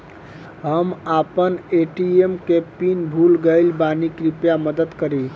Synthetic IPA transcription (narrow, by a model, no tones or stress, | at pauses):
ɦəmapəneʈiemkepinbʱulɡəɪlbanikɾipjaməd̪əd̪kəɾi